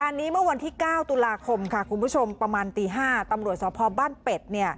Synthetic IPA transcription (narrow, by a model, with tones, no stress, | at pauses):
a˧nːiː˦˥mɯ˥˩ɐwa˧nt̪ʰiː˥˩kaː˥˩wt̪u˧laː˧kʰo˧mkʰa˥˩kʰu˧nbʰu˥˩o˧mpɾa˧maː˧nt̪iː˧ɦaː˥˩t̪a˧mɾu˨˩ət̪̚sɔː˩˦˥pʰɔː˧baː˥˩npe˨˩t̪̚ni˥˩ɐ